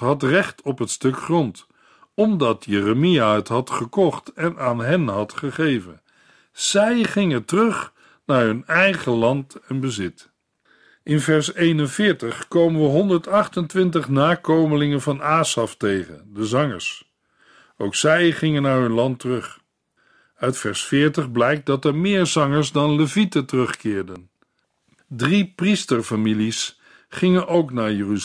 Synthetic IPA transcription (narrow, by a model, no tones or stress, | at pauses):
ɦɑtrɛχtɔpɦətstɵkχrɔnt | ɔmdɑtjɛrəmijaɦətɦɑtχəkɔχtɛnaːnɦɛnɦɑtχəχejvə̰n | z̥ɛjχɪŋətərɵχ | naːɹɦɵnɛjχəlɑntɛnbəzɪt | ʔɪnvɛɹsejnənvɪːɹtəχkowmənʋəɦɔndəɹtɑχtəntʋɪntəχnaːkowməlɪŋənvɑnaːsɑftejχə̰dəzɑŋə̰ɹs | owksɛjχɪŋənaːɹɦɵnlɑntərɵχ | œɥtfɛɹsfɪːɹtəχblɛjk̚dɑtɛɹmɪːɹzɑŋəɹsdɑnləvitətərɵχkɪːɹdən | dripristəɹfamilis | χɪŋənʔowknaːɹjəry